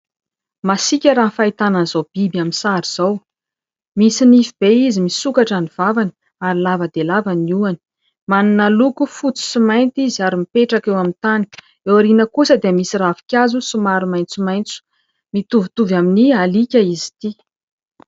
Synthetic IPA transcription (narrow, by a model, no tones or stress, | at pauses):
masikʲəɾanfait̪ananzowb̥ibjaminsaɾiz̥aw | misinifib̥eizimisukaʈ͡ʂaniv̥avani̥ | aɾilavəd̪elavaniuani̥ | maninalukufut͡si̥simajnt̪iziaɾimipeʈ͡ʂakewamint̪ani̥ | ewaɾinəkusəd̪emisiravi̥kʲazusumaɾumajnt͡sumajnt͡su̥ | mit̪uvit̪uvaminialikʲaizi̥t̪i